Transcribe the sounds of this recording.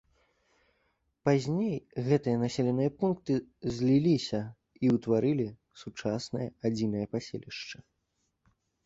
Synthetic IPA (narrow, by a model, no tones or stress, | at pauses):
pazʲnʲejɣɛt̪ɨjɐnasʲɛlʲɛnɨjɐpunk̚t̪ɨzʲlʲilʲisʲɐ | iwt̪vaɾɨlʲi | sut͡ʂasnɐjɐad͡zʲinɐjɐpasʲḛlʲiʂt͡ʂɐ